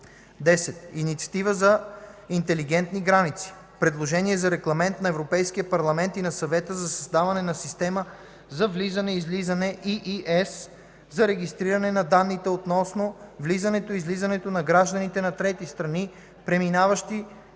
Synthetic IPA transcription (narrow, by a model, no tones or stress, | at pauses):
d̪ɛsɛt̪init̪siɐ̥t̪ivəzɐint̪ɛliɡɛnt̪niɡɾanit̪si̥ | pɾɛd̪lˠoʒɛniɛzɐɾɛɡlˠɐmɛnt̪nɐɛvɾopɛjskijəpɐɾlˠɐmɛnt̪inɐsɐvɛt̪əzɐsɐzd̪avɐnɛnɐsist̪ɛmə | zɐvlizɐnɛizlizənɛʔiʔiʔɛs | zɐɾɛɡist̪ɾiɾɐnɛnɐd̪anːit̪ɛot̪nɔsnovlizɐnɛt̪oizlizɐnɛt̪onɐɡɾaʒd̪ənit̪ɛnɐt̪ɾɛt̪ist̪ɾɐni | pɾɛminavəʃt̪i